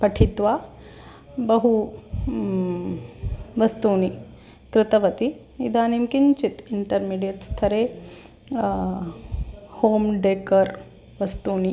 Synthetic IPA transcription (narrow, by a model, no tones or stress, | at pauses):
pɐʈʰit̪ʋaː | bɐɦu | ʋɐst̪uːni | kɾɪt̪ɐʋɐt̪i | ḭd̪ʱaːnimkiɲt͡ʃit̪iɳʈɐɾmiːɖijɐɾst̪ʰɐɾe | hoːmɖeːkɐɾ | ʋɐst̪uːni